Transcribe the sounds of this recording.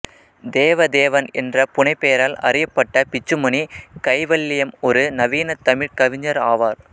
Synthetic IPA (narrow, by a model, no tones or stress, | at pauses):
d̪eːʋɐd̪eːʋɐnɛndrɐpʊɳɐɪpːejɐɾaːlɐ̰ɾɪjɐpːɐʈːɐpɪt͡ʃːɯmɐnikɐɪʋɐlːɪjɐmɔɾɯnɐʋiːnɐt̪ːɐmɪɾkɐʋɪɲɐɾaːʋaːɾ